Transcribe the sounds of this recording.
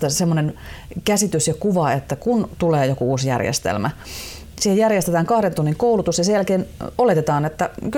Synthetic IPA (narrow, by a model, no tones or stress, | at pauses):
æsemːonen | kæsit̪ysjɑkuʋɑet̪ːækunt̪uleːjokuuːsjæ̰rjḛst̪ḛlmæ | siːhejærjest̪et̪æːŋkɑhɾent̪unːiŋkoulut̪usjɑsejælkeːnolet̪et̪ɑːnet̪ːæk